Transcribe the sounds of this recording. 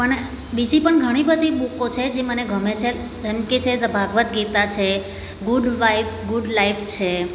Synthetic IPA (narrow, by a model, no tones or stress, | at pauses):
pəɳ | bid͡ʒipəɳɡʱəɽ̃ibəd̪ʱiɓukot͡ʃʰed͡ʒeməneɡʱəmet͡ʃʰe | əmkit͡ʃʰed̪əbʱaɡʋət̪ɡit̪at͡ʃʰe | ɡuɖʋaifɡuɖlaift͡ʃʰe